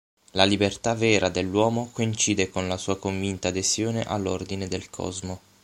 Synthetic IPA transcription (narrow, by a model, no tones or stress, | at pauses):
lalibert̪avɛːɾʔad̪elːwɔːmokoint͡ʃiːd̪ekonlasuːakoɱvint̪aːd̪esjoːneʔa̰lːord̪ined̪elkʰɔ̰zmo